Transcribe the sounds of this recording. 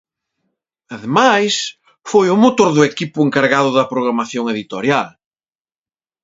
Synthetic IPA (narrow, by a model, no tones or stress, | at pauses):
ɐðemajs | fojʊmot̪oɾðʊekipʊeŋkaɾɣaðʊðɐpɾoɣ̞ɾamaθjoŋeðit̪o̰ɾjal